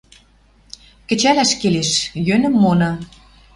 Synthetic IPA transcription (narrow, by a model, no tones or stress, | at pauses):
kə̆t͡ɕælæʃkeleʃjønɘ̆mːonɤ̆